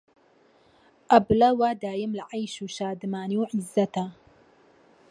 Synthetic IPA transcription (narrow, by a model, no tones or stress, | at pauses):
ʔɐblɐwad̪aːjəmlaʕajʃuːʃaːd̪ɨmaːniwʕizːɐt̪a